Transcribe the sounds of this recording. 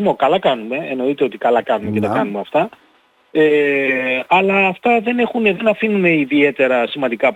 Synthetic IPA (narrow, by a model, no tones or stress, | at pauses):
mo̞kɐlɐkɐnume̞eno̞it̪e̞o̞t̪ikɐlɐkɐnumecet̪ɐkɐnume̞ɐft̪ɐ | e | ɐlɐːft̪ɐðe̞ne̞xuneðe̞nɐfinune̞iðie̞t̪e̞ɾɐsimɐnd̪ikɐ